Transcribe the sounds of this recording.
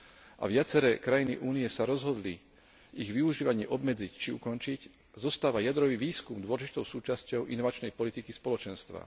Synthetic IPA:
ʔa̰ʋɪat͡sɛɾɛːkɾajinḭʔuːniɛsaɾɔzɦɔd̪li | iɣʋiuʒiːʋaɲɪɛʔɔbmɛd͡zict͡ʃiukɔnt͡ʃic | zɔst̪aːʋajad̪ɾɔʋiːʋiːskumd̪ʋɔlʒit̪ɔʊsuːt͡ʃascɔʊʔinɔʋat͡ʃnɛjpɔlit̪ikispɔlɔt͡ʃɛnst̪ʋa̰

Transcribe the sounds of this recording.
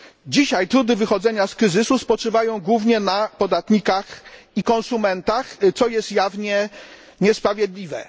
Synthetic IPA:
d͡ʑiɕajt̪ɾud̪ɘvɘxɔd̪zɛɲaskɾɘzɘsuspɔt͡ʂɘvajɔ̃w̃ɡwuvɲɛnapɔd̪at̪ɲikaxikɔnsumɛnt̪axt̪sɔjɛst̪javɲɛ | ɲɛspɾavʲjɛd̪lʲivɛ̰

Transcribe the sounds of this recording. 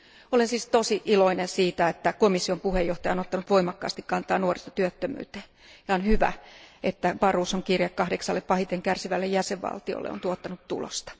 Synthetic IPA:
olensiːst̪osiʔiloinensiːt̪æet̪ːækomisːiompuhejjoht̪ɑjɑonot̪ːɑnut̪ʋoimɑkːɑ̰ːst̪ikkɑnt̪ɑːnuorist̪ɑ̥t̪yøt̪ːømy̰ːt̪e̥ː | jɑonhyʋæ̰et̪ːæʋɑruːsoŋkirjɑkkɑhdeksɑlːeppɑhit̪eŋkærsiʋælːejæseʋʋɑ̰lt̪io̰lːḛo̰nt̪uot̪ːɑnut̪tṵlo̰st̪ɑ̥

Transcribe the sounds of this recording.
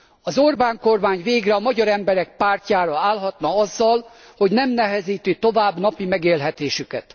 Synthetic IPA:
ɒzorbaːŋko̞rmaːɲveːɡrɛɒmɒɟɒɾɛmbɛɾɛk̚paːrcaːɾɒaːlɦɒt̪nɒɒzːɒl | ho̞ɟnɛmnɛɦɛziːt̪yt̪o̞vaːbnɒpimɛɡeːlɦɛt̪eːʃykɛt̪

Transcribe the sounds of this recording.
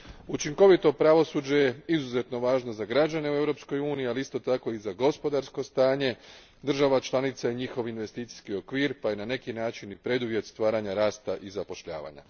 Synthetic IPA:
ut͡ʃiŋko̞ʋit̪o̞pɾaʋo̞suːd͡ʑejeizuze̞t̪no̞ʋaːʒno̞zaɡɾad͡ʑane̞ue̞ʋɾo̞psko̞juːniialiist̪o̞t̪ako̞izaɡo̞spo̞d̪aɾsko̞st̪aːɲe̞ | d̪r̩ʒaʋat͡ʃlˠanit̪saiɲixo̞ʋinʋe̞st̪iːt̪si̥skio̞kʋiːɾpaje̞nane̞kinaːt͡ʃinipɾe̞d̪uʋje̞t̪st̪ʋaːɾaɲaɾaːst̪aʔizapo̞ʃʎa̰ːʋa̰ɲa̰

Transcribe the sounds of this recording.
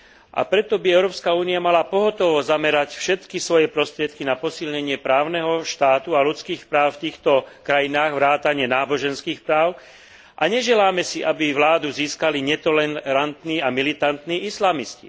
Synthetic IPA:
ʔa̰pɾɛt̪ɔbiɛʊɾɔːpskauːniamalapɔɦɔt̪ɔʋɔzamɛɾacfʃɛt̪kisʋɔjɛpɾɔst̪ɾɪɛt̪̚kinapɔsilɲɛɲɪɛpɾaːʊnɛɦɔʃt̪aːt̪ualut͡skiːxpɾaːʊft̪iːxt̪ɔkɾajinaːɣʋɾaːt̪aɲɪɛnaːbɔʒɛnskiːxpɾaːʊ | ʔa̰ɲɛʒɛlaːmɛsiʔabiʋlaːd̪uziːskaliɲɛt̪ɔlɛɾant̪niːamilit̪ant̪niːʔislamiscḭ

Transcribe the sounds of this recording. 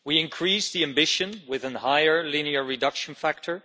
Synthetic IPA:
wiɨ̃nkʰɹ̥isðiæ̃mbɪʃɨ̃nwɪðə̃nhaɪə˞liniə˞ɹɨdʌkʃə̃n̩fæk̚tʰə˞

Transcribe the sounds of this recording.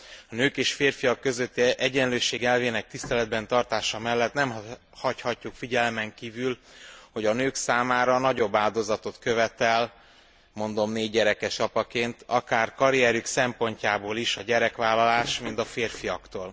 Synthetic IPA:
ɒnøːkeːʃfeːrfijɒkːø̞zøt̪ːiɛɟɛnløːʃeːɡɛlveːnɛk̚t̪ist̪ɛlɛd̪̚bɛnt̪ɒrt̪aːʃɒmɛlːɛt̪nɛm | hɒchɒcːukfiɟɛlmɛŋkiːvylho̞ɟɒnøːksaːmaːɾɒnɒɟo̞bːaːld̪o̞zɒt̪o̞t̪køvɛt̪ɛl | mo̞nd̪o̞mneːɟːɛɾɛkɛʃɒpɒkeːnt̪ɒkaːrkɒɾijɛɾyksɛmpo̞ɲcaːboːliʃɒɟɛɾɛkʋaːlːɒlaːʃmint̪ɒfeːrfijɒkt̪oːl

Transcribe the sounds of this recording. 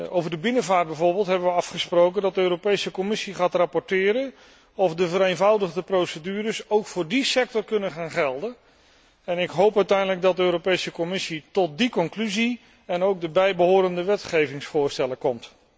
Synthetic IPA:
owvəɹdəbɪnəvaːɹt̚d̚bɛvʊːɹbeːlˠtɦɛbəʋəɑfχəsprowkəndɑt̚dəøːropejsəkɔmɪsiχaːtrapɔɹtɪːɾən | ɔfdəvəɾejnvʌwdəχdəprowsədyːrəsowkfʊːɹdisɛk̚tɔrkɵnəχaːnχɛlˠdən | ɛnɪkɦowpœɥtɛjndələɡ̚dɑdəøːɾowpejsəkɔmɪsitɔt̚dikɔŋklyzi | ɛnowɡ̚dəbɛjbəɦʊːɾəndəʋɛtχejvɪŋsfʊːɹstɛləkɔmt

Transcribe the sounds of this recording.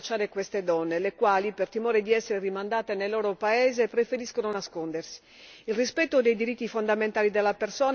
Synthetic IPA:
t͡ʃːaːɾekwest̪ed̪ɔnːelekwaːlipert̪imoːɾed̪iɛsːeɾerimand̪aːt̪enelːoːɾopaɛːzepɾefeɾiskononaskond̪ersi̥ | ilrispɛt̪ːod̪ejd̪iɾit̪ːifond̪ament̪aːlid̪elːapersoːn

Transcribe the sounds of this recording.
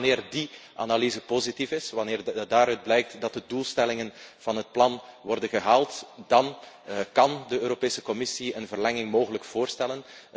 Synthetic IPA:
nɪːrdiʔa̰nalizəpozitifɪsʋɑnɪːrdaːɾœɥd̚blɛjk̚tdɑtdədulˠstɛlɪŋənv̥ɑnɦət̚plɑnʋɔrdənɣəɦaːlˠtd̥ɑn | kɑndəøːɾopeːsəkɔmɪsiənvərlɛŋɪŋmoːɣələkv̥oːrstɛlən

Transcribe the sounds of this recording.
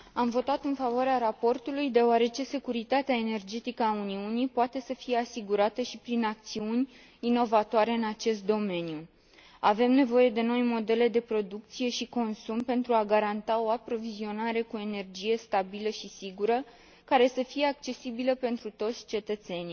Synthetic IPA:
amvo̞t̪at̪ɨnfavoaɾeaɾapo̞rt̪ulujd̪e̞oaɾe̞t͡ʃe̞se̞kuɾit̪at̪eaene̞rd͡ʒe̞t̪ikəauniunipoat̪e̞səfije̞asiɡuɾat̪əʃipɾinak̚t̪siunʲ | ino̞vat̪oaɾe̞ɨnat͡ʃe̞st̪̚d̪o̞me̞nju | ave̞mne̞vo̞je̞d̪e̞no̞jmo̞d̪e̞le̞d̪e̞pɾo̞d̪uk̚t̪sije̞ʃiko̞nsumpe̞nt̪ɾuaɡaɾant̪ao̞apɾo̞vizio̞naɾe̞kue̞ne̞rd͡ʒije̞st̪abiləʃisiɡuɾə | kaɾe̞səfije̞ak̚t͡ʃe̞sibiləpe̞nt̪ɾut̪o̞t̪sʲt͡ʃe̞t̪ət̪se̞ni

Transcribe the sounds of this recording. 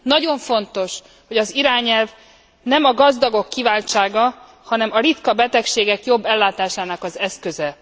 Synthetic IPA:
nɒɟo̞ɱfo̞nt̪o̞ʃ | ho̞ɟɒziɾaːɲɛlv | nɛmɒɡɒzd̪ɒɡo̞kːivaːlt͡ʃaːɡɒ | hɒnɛmɒɾit̪kɒbɛt̪ɛkʃeːɡɛkjo̞bːɛlːaːt̪aːʃaːnɒkɒzɛskøzɛ

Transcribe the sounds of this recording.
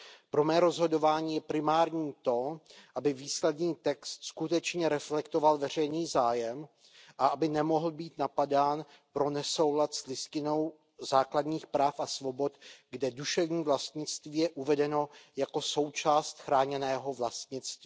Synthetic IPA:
pɾo̞mɛːɾo̞zɦo̞do̞vaːɲiːjɛpɾɪmaːɾɲiːt̪o̞ʔabɪviːslɛdniːt̪ɛkst̪skut̪ɛt͡ʃɲɛɾɛflɛkt̪o̞valvɛr̝ɛjniːzaːjɛm | ʔaʔabɪnɛmo̞ɦl̩biːt̪napadaːn | pɾo̞nɛso̞wlat̪slɪscɪno̞w | zaːkladɲiːxpɾaːfʔasvo̞bo̞t̪ɡdɛduʃɛvɲiːvlast̪ɲɪt͡st̪viːjɛʔuvɛdɛno̞jako̞so̞wt͡ʃaːst̪xɾaːɲɛnɛːɦo̞vlast̪ɲɪt͡st̪viː

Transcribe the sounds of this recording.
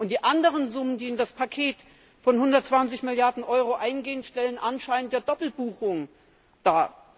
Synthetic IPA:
ʔʊntd̥iːʔandəʁənzʊməndiːɪndaspʰakʰeːt | fɔnhʊndɐtt͡sv̥ant͡sɪçmɪljaɐdn̩ʔɔʏʁoʔaɪnɡeːənʃtɛlənʔanʃaɪnənt̚d̥eːɐd̥ɔpl̩buːxʊŋ | d̥aː

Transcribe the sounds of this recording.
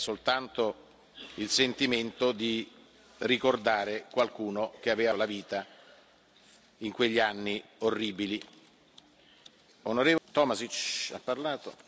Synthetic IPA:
solt̪ant̪o | ilsent̪iment̪od̪i | rikord̪aːɾekwalkuːnok̟eaveːvalaviːt̪a | iŋkweʎːianːiorːiːbili | onoɾeːvt̪ɔːmasit͡ʃa̰pːarlaːt̪o̰

